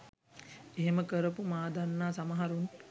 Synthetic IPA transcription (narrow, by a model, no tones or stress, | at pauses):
eɦeməkəɾəpumaːd̪anːaːsamɐɦaɾun